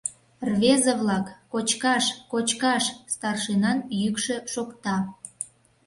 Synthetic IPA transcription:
rvezəβlɑkːot͡ɕkɑʃkot͡ɕkɑʃst̪ɑrʃinɑnjykʃe̽ʃokt̪ɑ

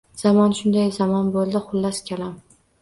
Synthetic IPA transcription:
z̥amɒnʃʊnd̪ajzamɒnbolˠd̪ɪχʊlːaskʲʰelam

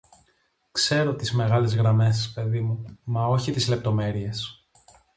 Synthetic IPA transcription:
kse̞ɾo̞t̪izme̞ɣɐle̞zɣɾɐme̞spe̞ðimumɐo̞çit̪izle̞p̚t̪o̞me̞ɾie̞s

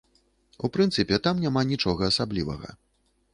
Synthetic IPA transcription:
upɾɨnt̪sɨpʲɛt̪amnʲamanʲit͡ʂɔɣɐːsablʲivɐ̰ɣɐ̰

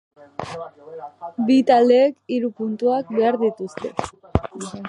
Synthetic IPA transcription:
bit̪ald̪e̞ːkiɾupunt̪uak̚be̞aɾðit̪ust̪e̞̰

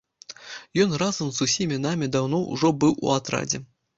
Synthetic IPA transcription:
jɔnrazɐmzusʲimʲinamʲid̪awnɔṵʐɔbɨwṵat̪ɾa̰d͡zʲɛ̰

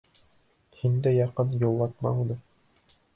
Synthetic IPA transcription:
hind̪æjɑqɤnjulˠːɑt̪̚mɑ̰unɤ

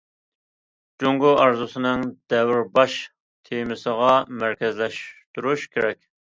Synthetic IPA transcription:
d͡ʒoŋɡuɑɾzusɨnɨŋd̪̥ɛwɾbɑʃ | t̪ʰemɪsəʁɑmæɾkʲɛzlɛʃt̪uɾuʃkʲʰeɾɛkʲ

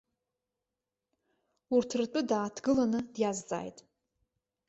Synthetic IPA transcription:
urtʰrt͡pʷʼʊdaːtʰɡɨlanɨdjazt͡sʼa̰ːjtʼ

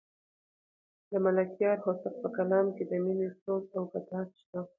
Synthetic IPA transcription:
d̪əmalakjɑɾhosaq̚pəkalɑmked̪əminesozawbad̪ɑt̪ʃt̪a

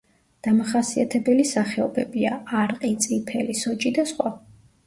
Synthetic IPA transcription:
d̪̥amaχasiat̪ʰɛbɛlisaχɛɔbɛbiaːɾqʼit̪sʼipʰɛlisɔt͡ʃʼid̪asχwa

